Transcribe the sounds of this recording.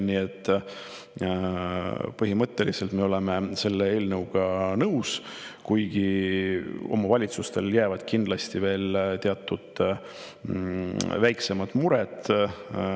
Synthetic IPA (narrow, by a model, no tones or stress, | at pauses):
nie̞t̪ːˑ | pɤɦimɤt̪ːˑe̞lise̞lt̪meo̞leme̞se̞lːe̞eːlnəwɡ̥ɑnɤwskujɡ̥i | o̞̰mɑvɑlʲit̪sust̪e̞ljæːvɑd̪̥kind̪lɑst̪ive̞ːlt̪eɑt̪ˑːud̪̥ | væjkse̞mɑt̪ˑmuɾet̪ˑ